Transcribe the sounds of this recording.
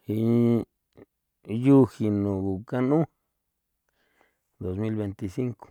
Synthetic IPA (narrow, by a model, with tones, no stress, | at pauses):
i˧ | ju˦xi˨nũ˨ɡu˨ka˦nũ˦ | d̪o˨smi˦lβe˧nt̪i˨si˦ŋko̥˨